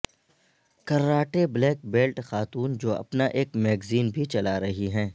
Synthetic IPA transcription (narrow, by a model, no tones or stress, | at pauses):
kɐɾːaːʈeblɛːk̚beːlʈxaːt̪uːnd͡ʒoːɐ̰pnaʔeːkmɛːɡziːnbʱit͡ʃɐlaɾɐɦiɦɛ̃ː